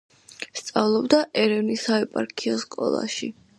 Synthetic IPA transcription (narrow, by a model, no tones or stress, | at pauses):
st̪sʼavlˠɔbd̪aʔɛɾɛvnisaɛpʼa̰ɾkʰiɔskʼɔ̰lˠa̰ʃi